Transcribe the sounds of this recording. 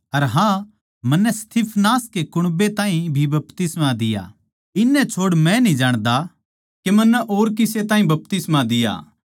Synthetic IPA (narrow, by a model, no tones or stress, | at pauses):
ɐɾɦã | mɐnːɛst̪ʰipʰnaːskekʊɽ̃bet̪ãːɦĩbʱibɐp̚t̪ɪsmad̪ɪja̰ | ɪnːɛt͡ʃʰoːɽmɛ̃nĩd͡ʒaːɽ̃d̪a | kemɐnːɛʔoːɾkɪset̪ãːɦĩbɐp̚t̪ɪsmad̪ɪja̰ː